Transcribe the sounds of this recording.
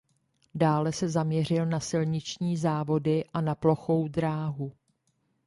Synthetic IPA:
daːlɛsɛzamɲɛr̝ɪlnasɪlɲɪt͡ʃɲiːzaːvo̞dɪʔanaplo̞xo̞wdɾaːɦu

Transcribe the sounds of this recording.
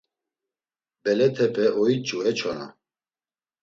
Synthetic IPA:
bɛlɛt̪ʰɛpʼɛʔɔit͡ʃʼuɛt͡ʃʰɔna̰

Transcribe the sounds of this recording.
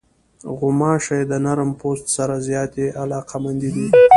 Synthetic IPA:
ɣʊmɑːʃajd̪ənaɾəmpost̪saɾazjɑːt̪eʔalɑːqʰamand̪id̪i

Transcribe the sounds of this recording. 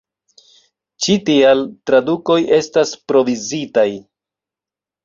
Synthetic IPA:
t͡ʃitialtɾaduko̞je̞staspɾo̞vizitaj

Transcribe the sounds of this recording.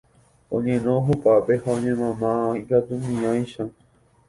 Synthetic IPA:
õ̰ɲẽnõɦupape̞haõɲẽmãmãaĩkat̪umĩãj̃ʃã

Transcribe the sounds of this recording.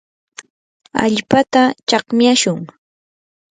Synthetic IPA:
a̰ʎpat̪at͡ʃɑχmjaʃʊŋ

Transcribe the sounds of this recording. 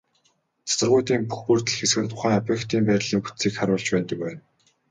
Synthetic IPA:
t͡sʰḁsə̆rʁʊjt̪iːmpuxpɵːr̥t̪ɘ̆ɮxesxɘ̆tt̪ʰʊχæːŋapjĕkt̪iːmpæːɾʲɮiːŋput̪siːkχaɾʊːɮt͡ɕpæːnt̪ə̆k̚pæːn

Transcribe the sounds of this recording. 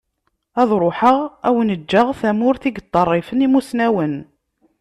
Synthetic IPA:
ɑðˤɾˤoħəʁæwənəd͡ʒːəʁθæmʊɾθiɡət̪ˤːərˤːifənimusnæwən

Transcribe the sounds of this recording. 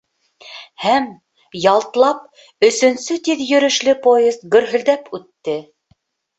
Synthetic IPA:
hæm | jɑlˠt̪lˠɑp̚ | ɵ̆sɵ̆nsɵt̪iðjɵ̆ɾɵ̆ʃlɘpojezt̪̚ɡɵ̆ɾɦɵ̆ld̪æpʉt̪ːɘ

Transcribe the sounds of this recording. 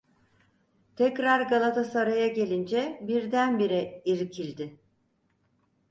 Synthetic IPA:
t̪ʰɛcɾaɾɡalˠat̪ʰasaɾajaɟe̞lʲind͡ʒɛbiɾd̪ænbiɾɛiɾcʰilʲd̪ɪ

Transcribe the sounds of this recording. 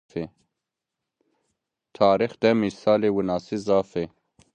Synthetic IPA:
e | t̪ʰaːɾixd̪ɛmisaːlewunaːsizaːfe

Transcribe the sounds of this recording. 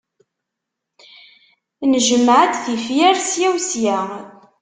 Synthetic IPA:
nəʒəmːʕət̪θifjæɾsjæwsjæ

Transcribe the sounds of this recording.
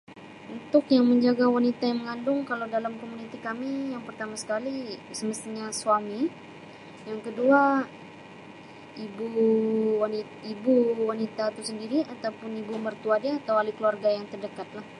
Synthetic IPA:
unt̪ʊkjaŋməɲd͡ʒaɡawanit̪ajaŋməŋandʊŋkaladalamkomunit̪ikamijaŋpərt̪amasə̥kalisəməst̪iɲasuami | jaŋkədua | ibuwani | ibuwanit̪at̪usəndiɾiat̪awpʊnibumərt̪uadiaːt̪awalikəluarɡajaŋt̪ərdəkat̪̚lah

